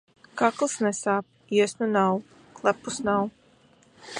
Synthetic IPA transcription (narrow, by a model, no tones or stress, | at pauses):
kaklˠɨsnɛsaːp̚ | iɛsnunaw | klˠæpusnaw